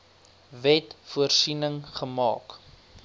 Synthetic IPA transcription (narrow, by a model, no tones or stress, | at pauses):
vɛtfuərsinəŋχəmɑ̰ːk